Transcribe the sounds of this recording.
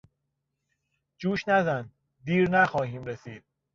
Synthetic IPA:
d͡ʒuːʃnæzæn | d̪iːɾnæxɒːɦiːmɾesiːd̪̥̚

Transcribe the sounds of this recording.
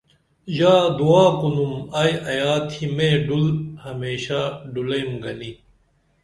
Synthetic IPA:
jaːd̪uaːkunumɐjɐjaːt̪ʰimẽːɖulhɐmeːɕaɖulɐjmɡɐni

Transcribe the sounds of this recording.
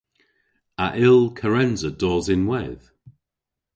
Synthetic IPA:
aʔɪlˠkʰəɹɛnzədɔːzɪnwɛð̥

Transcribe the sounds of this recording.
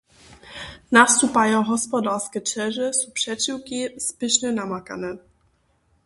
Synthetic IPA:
nast̪upajɔ̃w̃ɦɔspɔd̪aɾskʲɛt͡ʂɛʐɛsupʂɛt͡ɕiwkʲispɘɕnɛnamaka̰nɛ

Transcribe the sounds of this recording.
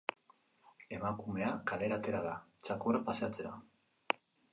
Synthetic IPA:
e̞makume̞akale̞ɾat̪e̞ɾaðat͡ʃakorapaseat͡se̞ɾa̰

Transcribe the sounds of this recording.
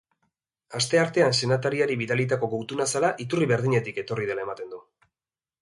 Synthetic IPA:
ast̪e̞aɾt̪e̞anse̞nat̪aɾiaɾiβiðalit̪ako̞ɣowt̪unasalaʔit̪uriβe̞ɾð̞iɲe̞t̪ike̞t̪o̞riðe̞laemat̪e̞nd̪u

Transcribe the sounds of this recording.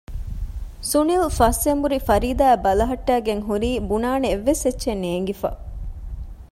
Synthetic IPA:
sunilfɐsembuɾifɐɾiːd̪aːbɐlɐɦɐʈːæːɡeŋɦuɾiːbunaːneeʋːesetːʃenːeːŋɡifɐ̰

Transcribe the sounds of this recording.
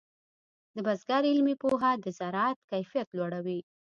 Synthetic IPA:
d̪əbazɡaɾɪlmipoɦad̪əzaɾɑt̪kajfijat̪lwaɽawi

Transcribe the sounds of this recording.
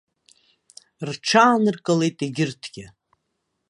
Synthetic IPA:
rʈ͡ʂʰaːnɨrkʼale̞jtʼeɡʲɪrtʰɡ̥ʲɪ

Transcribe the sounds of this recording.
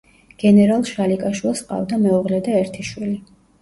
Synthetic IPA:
ɡ̥ɛnɛɾalˠʃalikʼaʃwilˠsqʼa̰vd̪amɛɔʁlɛd̪aɛɾt̪ʰiʃwili

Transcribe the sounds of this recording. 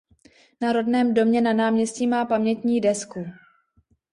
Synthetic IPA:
naɾo̞dnɛːmdo̞mɲɛnanaːmɲɛscimaːpamɲɛt̪ɲiːdɛsku

